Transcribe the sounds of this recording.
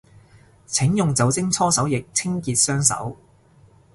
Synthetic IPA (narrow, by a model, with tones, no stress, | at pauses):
t͡sʰɪ˨˥ŋjʊ˨ŋt͡sɐ˨˥wt͡sɪ˥ŋt͡sʰɔː˥sɐ˨˥wjɪ˨k̚t͡sʰɪ˥ŋkiː˧t̚sœː˥ŋsɐ̰˨˥w